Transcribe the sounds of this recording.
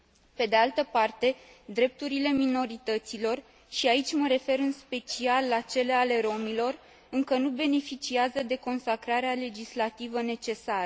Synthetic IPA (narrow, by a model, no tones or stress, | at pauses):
pe̞d̪e̞alt̪əpart̪e̞d̪ɾe̞p̚t̪uɾile̞mino̞ɾit̪ət̪silo̞r | ʃiait͡ʃʲməɾe̞fe̞ɾɨnspe̞t͡ʃialːat͡ʃe̞le̞ale̞ɾo̞milo̞r | ɨŋkənube̞ne̞fit͡ʃiazəd̪e̞ko̞nsakɾaɾeale̞d͡ʒislat̪ivəne̞t͡ʃe̞saɾə